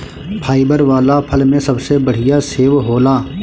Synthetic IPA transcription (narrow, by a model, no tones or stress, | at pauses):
pʰaːibəɾʋaːlapʰɐlmẽsɐbsebɐɽ̤ijaseːʋɦoːlaː